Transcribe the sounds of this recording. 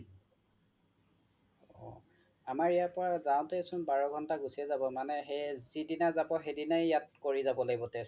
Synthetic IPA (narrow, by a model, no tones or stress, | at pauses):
ɔ | amaɹijapɔɹazaʊ̃teesʊnbaɹɔɡʱɔntaɡusiɛzabɔmanɛɦejzidinazabɔxedinajjat̚koɹizabɔlaɡibɔtɛs